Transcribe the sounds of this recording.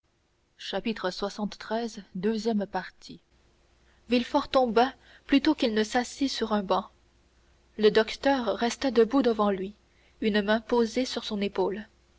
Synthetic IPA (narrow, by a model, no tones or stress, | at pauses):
ʃapit̪χəswasɑ̃t̪ːχɛzd̪øzjɛmpaʁt̪ʰi | vilfɔʁt̪ɔ̃ba | plyt̪okilnəsasisyʁɛ̃bɑ̃ | ləd̪ɔkt̪œʁːɛst̪ad̪əbud̪əvɑ̃lɥi | ynmɛ̃pozesyʁsɔ̃nepoːl